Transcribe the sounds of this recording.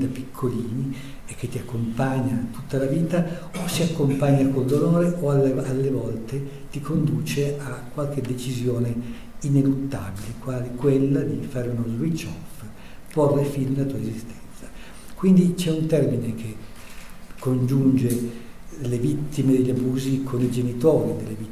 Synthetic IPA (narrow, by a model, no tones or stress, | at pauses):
d̪api̥kʰːoliːni | ɛkːet̪ːiakːompaɲːat̪ut̪ːalaviːt̪a | osiakːompaɲːakondonoːɾeʔoalalːevɔlt̪e | t̪ikʰond̪uːt͡ʃeakːwalk̟ed̪et͡ʃizjoːne | inelut̪ːabilekwaːlikwelːad̪ifaːɾeunozwit͡ʃːɔf | pɔrːefilmilat̪uːaezist̪ɛ̥nt̪sḁ | kwind̪it͡ʃɛunt̪ɛrminekʰe | kʰːond͡ʒund͡ʒe | levit̪ːimed̪eʎːabuːzikʰonid͡ʒenit̪oːɾid̪elːevi